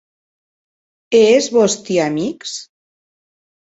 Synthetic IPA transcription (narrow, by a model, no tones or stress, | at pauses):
ezβost̪iamiks